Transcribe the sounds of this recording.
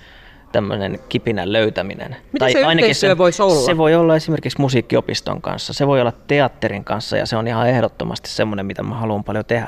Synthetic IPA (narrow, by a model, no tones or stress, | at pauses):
t̪æmːø̰nḛnkipinælløyt̪æmḭnḛnmit̪ɑæiɑinɑkeisseøʋoisolsːeʋoiolːɑesimerkiksmusiːkːiopist̪o̰ŋkɑ̰̃nsːɑseʋoiolːɑt̪t̪eɑt̪ːeriŋkɑnsːɑ̰jɑ̰seonihɑehɾot̪ːomɑ̰st̪i̥ssemːonemit̪æmæhɑluːmpɑljot̪ehæ